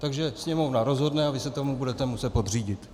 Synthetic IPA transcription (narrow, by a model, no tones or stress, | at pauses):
t̪aɡʒɛsɲɛmo̞vnaɾo̞zɦo̞dnɛavɪsɛt̪o̞mubudɛt̪ɛmusɛt̪po̞d̪r̝iːɟɪt̪